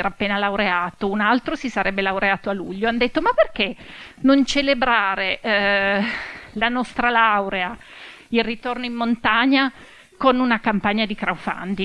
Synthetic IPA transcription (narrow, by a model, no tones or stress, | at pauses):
ɾapːeːnalawɾeaːt̪ounalt̪ɾosisaɾɛbːelawɾeaːt̪oalṵʎːoand̪et̪ːomapːerk̟enont͡ʃelebɾaːɾe | lanɔst̪ɾalawɾea | ilrit̪ornoimːont̪aɲːa | konunakampaɲːad̪ikɾaufa̰nd̪i